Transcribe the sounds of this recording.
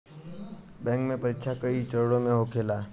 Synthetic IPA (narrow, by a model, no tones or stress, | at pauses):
bɛ̃ŋkmẽpəɾitːʃʰakəit͡ʃəɾɽõmẽɦokʰelaː